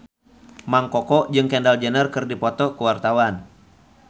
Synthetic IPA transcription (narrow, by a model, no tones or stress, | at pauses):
maŋkɔkɔd͡ʒɨŋkɛndald͡ʒənərkɨrdipɔt̪ɔkuwart̪awan